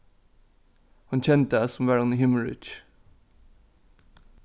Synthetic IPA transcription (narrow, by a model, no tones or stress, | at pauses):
hɑnçɛnt̪əæsɔm̩ʋæɹɑniːhʏməɹɪ̰t͡ʃ